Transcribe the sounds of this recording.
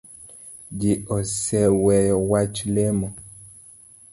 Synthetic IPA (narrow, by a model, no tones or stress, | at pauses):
d͡ʒiɔsɛwɛjɔwat͡ʃlemɔ